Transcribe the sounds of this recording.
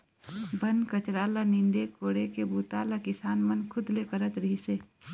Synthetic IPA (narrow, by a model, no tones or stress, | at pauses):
bʱənkət͡ʃɾaːlanɪ̃nd̪ekoːɽekebuːt̪aːlakɪsaːnmənkʰʊd̪lekəɾət̪ɾəɦiseː